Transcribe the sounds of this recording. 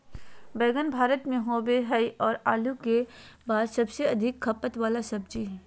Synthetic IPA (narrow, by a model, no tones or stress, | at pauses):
bɛːɡənbʱaːɾət̪mẽɦoːbeɦɐiʔɔːɾaːluke | baːd̪sɐbseɐd̪ʱɪkʰːɐpət̪ʋaːlasɐb̚d͡ʒiɦ